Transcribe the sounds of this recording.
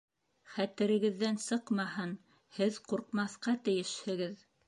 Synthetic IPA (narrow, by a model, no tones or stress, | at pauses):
χæt̪ɘ̆ɾɘ̆ɡɘ̆ðːænsɤqmɑhɤn | hɘðquɾqmɑθqɑt̪ɘ̆jɘʃhɘ̆ɡɘð